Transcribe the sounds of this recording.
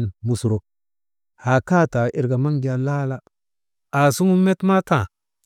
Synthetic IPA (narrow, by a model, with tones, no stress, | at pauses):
nmu˨sɾo˨k̚ | ha˨ka˦ta˨ʔi˨ɾɡa˨ma˦ŋd͡ʒa˨la˦la˦ | a˨su˦ŋu˦mːe˦tma˦ta˨